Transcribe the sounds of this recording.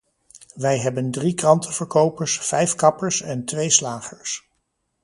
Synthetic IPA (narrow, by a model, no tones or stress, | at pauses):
ʋɛjɦɛbəndrikrɑntʰəv̥əɹkowpəɹsfɛjfkɑpəɹsɛntʋejslaːχəɹs